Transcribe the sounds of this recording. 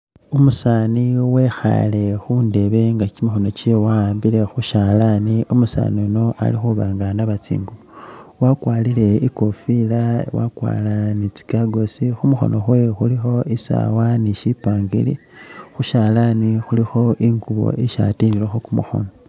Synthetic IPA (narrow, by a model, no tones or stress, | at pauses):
umusaniwexa̰le̞xunde̞βe̞ŋɡacimixo̞no̞ciwaaːmbile̞xuʃalaniumusa̰ːnino̞ʔa̰lixuβaːŋɡanaβat͡sḭːŋɡu | wakwaːlile̞ikofilawa̰kwa̰lanit͡si̥kaɡo̞sixumuxo̞̰no̞xwexulixo̞isa̰waniʃipaːŋɡḭlḭ | xuʃalanixulixo̞ʔiŋɡuβo̞̰ʔiʃa̰tinilexokumṵxo̞̰no̞